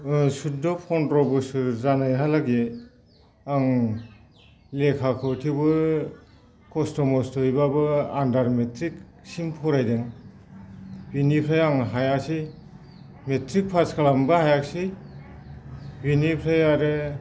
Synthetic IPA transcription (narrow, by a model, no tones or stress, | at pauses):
sudɔpʰɔntɾɔbusɯɾzanajɦalaɡe | aŋ | lekʰakʰɯwtʰibɯ | kɔstɔmɔstʰɔjbabɯandaɾmetɾik | simpʰɔɾajdeŋ | binipʰɾajaŋɦajasi | metɾik̚pʰaskalambɯhajak̚si | binipʰɾajaɾɯ